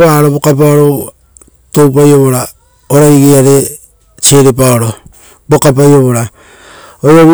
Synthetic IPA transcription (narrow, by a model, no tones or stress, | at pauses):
aɾobokapaoɾo | towp̬ajo̞βo̞ɾa | oɾaiɡeaɾe̞ | t͡ʃe̞ɾepaoɾo̞ | bokap̬ajoβoɾa | ojoβi